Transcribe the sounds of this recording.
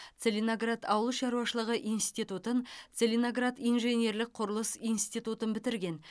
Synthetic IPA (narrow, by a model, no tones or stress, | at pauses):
t̪selʲinoɡrat̪ɑwəlˠəʃɑɾuwɑʃəlˠəʁəʔijnst̪it̪ut̪əntt̪selʲinoɡrat̪ijnʒe̞nʲe̞ɾlɪk̚qʰʊɾəlˠəsijnst̪ijt̪ut̪ənbɪt̪ɪɾɡʲe̞n